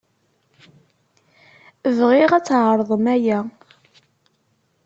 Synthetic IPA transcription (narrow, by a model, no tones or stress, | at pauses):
əvʁɪʁæt͡sːʕəɾˤðˤəmæjæ